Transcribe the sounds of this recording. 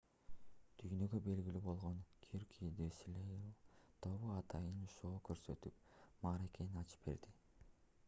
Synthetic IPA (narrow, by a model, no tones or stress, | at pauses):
t̪ʰyjnø̞ɡøbe̞lɡʲilybo̞lˠʁo̞ŋkʰiɾkʰid̪eslʲejlt̪ʰo̞βuɑt̪ʰɑjɯnʃo̞ːkøɾsø̞t̪yp̚ | mɑɾe̞ke̞ninɑt͡ʃɯ̥p̚be̞̰ɾd̪i